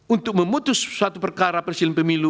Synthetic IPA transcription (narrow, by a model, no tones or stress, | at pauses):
unt̪ʊk̚məmut̪ʊssːuat̪upərkaɾapərsilɪnpəmilu